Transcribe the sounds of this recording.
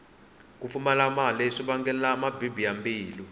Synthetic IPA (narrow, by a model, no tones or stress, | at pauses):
k̬ʼufumɛlamalɛʂiɓaŋɡɛlamabibiambiːli